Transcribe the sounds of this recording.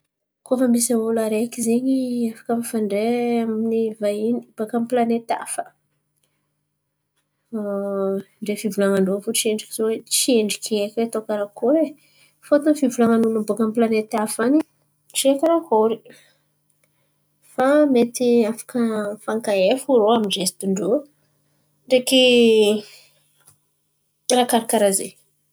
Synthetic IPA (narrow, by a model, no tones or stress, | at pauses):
kofəmisaulaɾekizeɲiafḁkamifaɳɖ͡ʐeaminivainib̥akamplanet̪a̰fə̥ | ɳɖ͡ʐefivulaŋaɳɖ͡ʐofot͡ʃieɳɖ͡ʐikʲizowet͡ʃieɳɖ͡ʐikiekʲwet̪okaɾakoɾe | fot̪unfivulamanunabukamplanet̪afani | ʈ͡ʂekəɾakoɾi | famet̪iafḁkəfaŋkaefuɾoamid͡ʒest̪iɳɖ͡ʐo | ɳɖ͡ʐeki | rakaɾikaɾaze